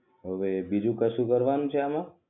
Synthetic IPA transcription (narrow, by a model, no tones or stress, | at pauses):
ɦəʋebid͡ʒũkəʃũkəɾʋanũt͡ʃʰeamã